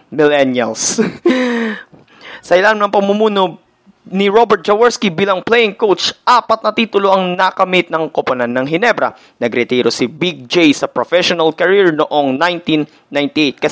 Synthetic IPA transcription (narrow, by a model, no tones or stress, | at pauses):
mɪlɛnjɐls | sɐʔɪlaːnɪmnɐŋpɐɡ̚mʊmuːno | nɪɹobɛɾt̪̚t͡ʃɐwɛɹskibiːlɐŋplɛjɪŋkowt͡ʃʔaːpɐt̪nɐt̪iːt̪ʊloʔɐŋnakɐmit̪̚nɐŋkoponanːɐŋɦɪnɛbɾɐ̰ | nɐɡɾɛt̪iːɾosɪbiɡ̚d͡ʒejsɐpɾofɛʃonɐlkɐɹiɹnoʔoŋnajnt̪inːajnt̪ɪʔejt̪̚kɐ